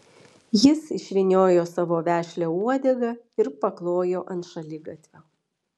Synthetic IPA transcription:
jɪsɪʃʲʋʲɪnʲoːjoːsɑʋoːʋʲæːʃʲlʲouɔd̪ʲɛɡɐɪɾpɐklˠoːjoːʔɐnt̪ʃɐlʲɪɡɐt̪ʲʋʲoː

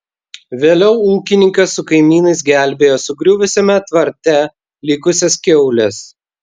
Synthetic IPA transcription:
ʋʲeːlʲɛʊuːkʲɪnʲɪŋkɐsːʊkɐɪmʲiːnɐɪs̬ɡʲæˑlʲbʲeːjoːsʊɡɾʲʊʋʲʊsʲɛmʲɛt̪ʋɐɾʲt̪ʲɛ | lʲɪkʊsʲɛskʲɛʊlʲɛs

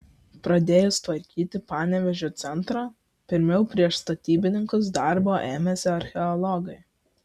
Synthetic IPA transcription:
pɾɐd̪ʲeːjʊst̪ʋɐɾʲkʲiːt̪ʲɪpɑːnʲɛʋʲɛʒʲot̪sʲɛnt̪ɾoː | pʲɪɾʲmʲɛʊpʲɾʲiɛʃst̪ɐt̪ʲiːbʲɪnʲɪŋkʊs̬d̪ɐˑɾboːʔeːmʲɛsʲɪɐɾʲxʲɛɔlˠɔɡɐɪ

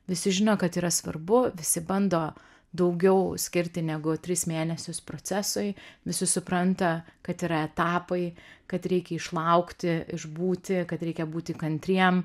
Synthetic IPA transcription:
ʋʲɪsʲɪʒʲɪnoːkɐt̪iːɾɐsʋɐ̰rbʊʋʲɪsʲɪbɐnd̪oː | d̪ɐʊɡʲɛʊsʲkʲɪɾʲt̪ʲɪnʲɛɡʊt̪ʲɾʲɪsmʲeːnʲɛsʲʊspɾoːt͡s̪ʲæsoɪʋʲɪsʲɪsʊpɾɐnt̪ɐkɐt̪iːɾɐɛt̪ɑːpɐɪkɐt̪ɾʲɛɪkʲɛɪʃlˠɐʊkt̪ʲɪɪʒbuːt̪ʲɪkɐt̪ɾʲɛɪkʲɛbuːt̪ʲɪkɐnʲt̪ʲɾʲiɛm

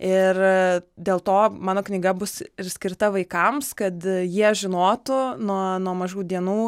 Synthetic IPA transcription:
ɪrd̪ʲeːlˠt̪oːmɑːnoːknʲɪɡɐbʊsɪɾsʲkʲɪɾt̪ɐʋɐɪkɐmskɐt̪jiɛʒʲɪnoːt̪ʊnuɔnuɔmɐʒuːd̪ʲiɛnuː

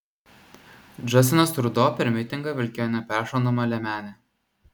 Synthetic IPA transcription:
d͡ʒɐsʲɪnɐst̪ɾd̪oːpʲɛɾʲmʲɪt̪ʲɪŋɡɐʋʲɪlʲkʲeːjonʲɛpʲæːʃonɔmɐlʲɛmʲæːnʲe

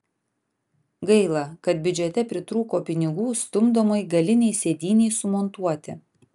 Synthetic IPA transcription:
ɡɐɪlˠɐkɐt̪̚bʲʏd͡ʒʲɛt̪ʲɛpʲɾʲɪt̪ɾuːkoːpʲɪnʲɪɡuːst̪ʊmd̪oːmɐɪɡɐlʲɪnʲɛɪsʲeːd̪ʲiːnʲɛɪsʊmɔnt̪uɔt̪ʲɪ

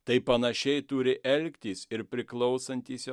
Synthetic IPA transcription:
t̪ɐɪpɐnɐʃʲɛɪt̪uːɾʲɪʔɛlʲkt̪ʲiːsɪɾpʲɾʲɪklˠɒʊsɐnʲt̪ʲiːsj

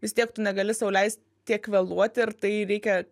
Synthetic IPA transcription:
ʋʲɪst̪ʲiɛkt̪ʊnʲɛɡɐlʲɪsɐʊlʲɛɪsʲt̪ | t̪ʲiɛkʋʲɛːlˠuɔt̪ʲɪɾt̪ɐɪɾʲɛɪkʲɛ

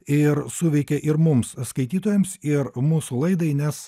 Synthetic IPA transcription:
ɪɾsuːʋʲɛɪkʲɛʔɪɾmʊmsskɐɪt̪ʲiːt̪oːjɛmsɪɾmuːsulˠɐɪd̪ɐɪnʲɛs

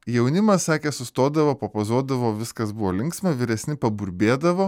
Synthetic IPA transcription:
jɛʊnʲɪmɐssɑːkʲeːsʊst̪oːd̪ɐʋoːpɐpɐzuɔd̪ɐʋoːʋʲɪskɐsbʊʋoːlʲɪŋksʲmʲɛʋʲɪɾʲɛsʲnʲɪpɐbʊɾʲbʲeːd̪ɐʋoː

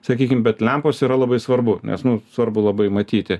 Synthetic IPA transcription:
sɐkʲiːkʲɪmbʲɛt̪lʲɛmpoːsiːɾɐlˠɐbɐɪsʋɐrbʊnʲʔɛ̰snʊssʋɐɾbʊlˠɐbɐɪmɐt̪ʲiːt̪ʲɪ

